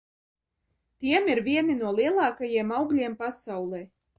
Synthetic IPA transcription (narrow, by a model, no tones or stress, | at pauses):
t̪iɛmiɾvʲiɛninuɔlˠiɛlˠɑːkajiɛmawɡlʲiɛmpasawlˠɛː